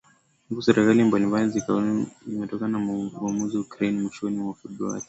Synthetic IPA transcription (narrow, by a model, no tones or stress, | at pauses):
muɡusɛɾɛkalimbalimbajɔzikauimɛtɔkanaamuziukɾɛnimwɛʃɔnimwafɛbɾua̰li